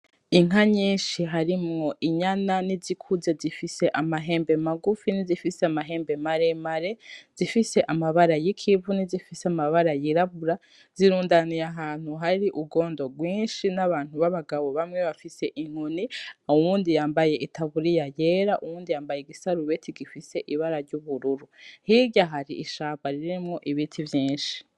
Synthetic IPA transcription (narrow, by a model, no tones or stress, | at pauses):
iŋaɲiːnʃiɦaɾimŋo̞ʔiɲananizikʰuze̞zifise̞ʔamaɦe̞ːmbe̞maɡufinizifiseamaɦe̞ːmbe̞maɾemaɾe̞z̥ifise̞ʔamaβaɾajikʰivunizifiseamaβaɾajiɾaβuɾa | z̥iɾuːndanijaɦaːn̥huɦaɾiʔuɡo̞ːndo̞ɡwiːnʃinaβaːn̥uβaβaɡaβo̞βamŋe̞βafise̞ʔiŋ̥uniuwuːndijaːmbaje̞ʔitaβuɾijaje̞ɾaʔuwuːndijaːmbaje̞ɡisaɾuβe̞tʰiɡifise̞ʔiβaɾaɾɟuβuɾuɾuhiɟaɦaɾiʔiʃaːβaɾiɾimŋoʔiβitʰivjiːnʃi̥